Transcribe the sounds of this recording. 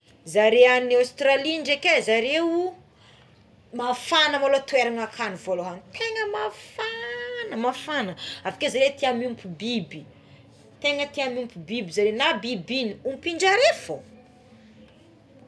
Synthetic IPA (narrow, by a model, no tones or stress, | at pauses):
zaɾeanawst̪ɾaliɳɖ͡ʐekezaɾewu | mafanəmalot̪weɾaŋakʰanivoloɦanit̪eŋəmafanəmafanəavḁkezaɾet̪iamiumpubibi | t̪eŋət̪iamumpubibizaɾenabibiniumpiɳɖ͡ʐaɾefo